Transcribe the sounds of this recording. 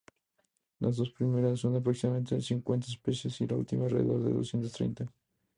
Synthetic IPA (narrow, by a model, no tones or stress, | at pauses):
lazðo̞spɾimeɾasːond̪epɾoksimament̪esiŋkwe̞nt̪aespesjesilaṵlt̪imareðoɾðḛðo̰sjent̪ost̪ɾḛjnt̪a